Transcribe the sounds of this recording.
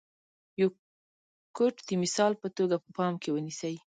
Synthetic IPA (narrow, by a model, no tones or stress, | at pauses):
jow | koʈd̪əmɪsɑlpət̪oɡapəpɑmkewənisəj